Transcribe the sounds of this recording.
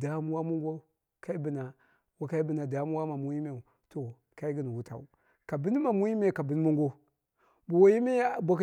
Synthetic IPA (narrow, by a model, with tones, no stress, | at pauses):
da˨˦m˦wa˦mu˦ŋɡo˦ | ka˦i˦bi˨na˨ | wa˨ka˦i˦bi˨na˨da˨˦m˦wa˦ma˨mu˦ji˦me˨u˨ | to˨ | ka˦i˦ɡi˦n˨wu˦ta̰˨u˨ | ka˨bi˦n˦ma˨mu˦ji˦me˦˨ka˨bi˦n˦mu˦ŋɡo˦ | bu˨wa˨ji˦me˦˨bʷa˨k